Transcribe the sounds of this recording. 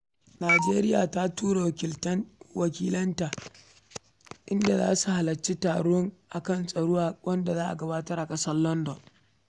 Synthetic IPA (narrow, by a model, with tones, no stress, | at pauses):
naː˨d͡ʒeː˦ɾɪ˦ja̰ː˨ta˦tuː˦ɾa˨wɪ˨ltɐ˦wɐ˨kʲiː˦lɐ˦ntaː˨ | ʔɪ˦nda˨za̰ː˦su˨ha˨lɐ˨t͡ʃːe˦taː˨ɽɔ˦ŋʔa˨kɐ˦nsʼɐ˨ɽoː˦a˦wʔɐ˦nda˨zaː˦ʔa̰˨ɡɐ˦baː˦tɐ˦rʔa˨kʼɐ˦sɐ˦rlɔ˦ndɔ˨n